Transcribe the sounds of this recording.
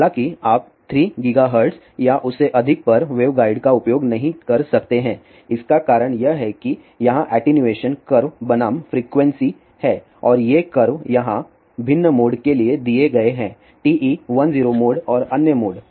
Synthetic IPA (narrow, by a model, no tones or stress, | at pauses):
lãːkiaːp̚t̪ʰɾiːɡɪɡaɦəɾɖs | jaʔʊseʔɐd̪ʱɪk̚pɐɾʋeːʋɡaːɪɖkaʊpjoːɡnɐɦĩkɐɾsɐkt̪eɦɛ̃ː | ɪskakaːɾəɽ̃jɐɦɛki | jɐɦãʔɛːʈenjueːʃənkɐɾʋbɐnaːmfɾiːkʋɛ̃nsi | hɛː | ɔːɾjekɐɾʋjɐɦã | bʱɪnːəmoːɖkelied̪ieɡɐeɦɛ̃ː | ʈiːʔiːʋɐnziːɾomoːɖɔːɾɐnjəmoːɖ